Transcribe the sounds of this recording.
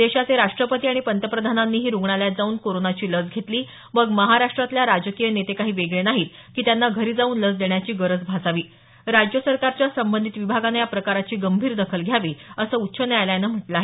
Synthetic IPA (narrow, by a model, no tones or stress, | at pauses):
d̪eɕat͡seɾaʂʈɾəpət̪iːaɽ̃ipənt̪əpɾəd̪ʱananːiːɦiːɾuɡɳaljat̪̚d͡zauːnkoɾonat͡ɕiːləd͡zɡʱet̪liː | məɡməɦaɾaʂʈɾat̪ljaɾad͡ʑəkijənet̪ekaɦiːʋeɡɭenaɦiːt̪ | kiːt̪janːaɡʱəɾiːd͡zauːnləd͡zd̪eɳjat͡ɕiːɡəɾəd͡zbʱasaʋiː | ɾad͡ʑjəsəɾkaɾt͡ɕjasəmbənd̪ʱit̪ʋibʱaɡanajapɾəkaɾat͡ɕiːɡəmbʱiːɾd̪əkʰəlɡʱjaʋiːəsəːut̪ːɕʰənjajlajanəm̤əʈlaːɦe